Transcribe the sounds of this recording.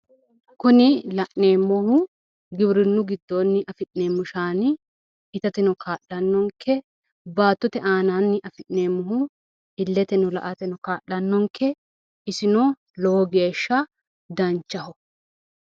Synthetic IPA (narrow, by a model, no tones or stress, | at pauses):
kʊnɪlɐʔne̞ːmːɔhʊ | ɡɪbɾɪnːʊɡɪd̪ːoːnːɪʔɐfɪʔneːmːʊʃaːn | ɪt̪ɐt̪ɪnɔkʰaːʔːɐnːɔŋkʰːɛ | baːt̪ːɔt̪ɛʔaːnaːnːɪʔɐfɪʔneːmːɔɦʊ | ɪlːɛt̪ɛnɔlɐ̰ʔɐt̪ɛnɔkaːʔːɐnːɔŋkʰːɛ | ɪsɪnɔ | lɔwɔɡe̞ːʃːɐ | d̪ɐnt͡ʃːɐhɔ